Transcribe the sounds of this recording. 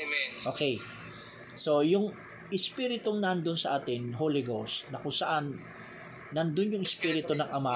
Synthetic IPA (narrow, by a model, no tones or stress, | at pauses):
ʔoːkɛj | so̞jʊŋ | ʔɪspiɾɪt̪oŋnɐnd̪onsɐʔaːt̪ɪnɦolɪɡosnɐkʊŋsɐʔanː | ɐnd̪onjʊŋɪspiːɾɪt̪onɐŋʔɐma